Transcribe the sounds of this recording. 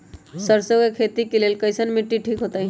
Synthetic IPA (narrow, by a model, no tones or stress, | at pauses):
səɾsəɡekʰet̪ikelelkəɪsənmiʈːiʈʰikɦot̪aɦ